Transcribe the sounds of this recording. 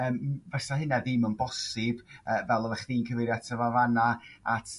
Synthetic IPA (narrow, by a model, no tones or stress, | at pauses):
əːmvɛsahɪnaðiːmɔnbɔsɪbəːvɛlˠɔvɛχðiːnkʰəvɪɾjatʰəvavanaatʰ